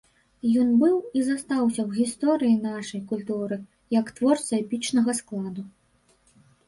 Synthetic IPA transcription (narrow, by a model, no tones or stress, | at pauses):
jɔnbɨwizast̪awsʲɐwɣʲist̪ɔɾɨjinaʂɐjkulʲt̪uɾɨ | jɐkt̪vɔrt̪sɐɛpʲit͡ʂnɐɣɐsklˠad̪u